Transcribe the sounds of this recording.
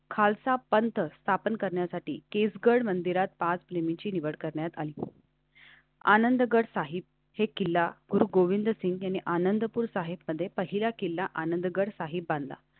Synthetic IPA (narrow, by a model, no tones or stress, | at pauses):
kʰalsapənt̪ʰəst̪ʰapənkəɾɳjasaʈḭːkesɡəɽmənd̪iɾat̪̚pat͡spɾemit͡ɕiːniʋəɽkəɾɳjat̪a̰liː | a̰nənd̪əɡəɽsaɦib̚ | hekilːaɡuɾuːɡoʋind̪əsiŋɡjanːiʔanənd̪əpuːɾsaɦibməd̪ʱːjepəɦiljakilːaʔanənd̪əɡəɽsaɦibbãnd̪la̰